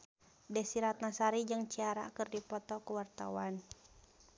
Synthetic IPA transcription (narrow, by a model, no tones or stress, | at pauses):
dɛsiɾat̪̚nasaɾid͡ʒɨŋt͡ʃiaɾakɨrdipɔt̪ɔkuwart̪a̰wan